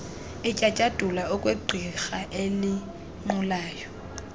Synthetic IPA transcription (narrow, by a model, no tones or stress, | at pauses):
ɪt͡ʃʼat͡ʃʼad̥ʼʱulaʊkʼweǃʱiɣaʔelɪ | ŋ͡ǃʊlaːjɔ